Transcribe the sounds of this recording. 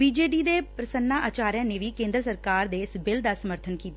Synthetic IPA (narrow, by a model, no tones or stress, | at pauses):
biːd͡ʒeːɖiːd̪eːpɾəsənːaːʔaːt͡ʃaːɾjãːneːʋiːkẽːnd̪ɾəsəɾkaːɾd̪eːɪsbɪld̪aːsəməɾt̪ʰənkiːt̪a